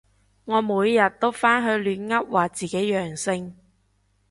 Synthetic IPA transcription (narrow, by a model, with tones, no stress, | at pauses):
ŋɔː˨˧muː˨˧jːɐ˨t̚t̪o˥wfaː˥nɦɵ˨˧ɥlyː˨˧nŋɐ˥p̚waː˨t͡siː˨˩ke˨˥jjœː˨˩ŋsɪ˧ŋ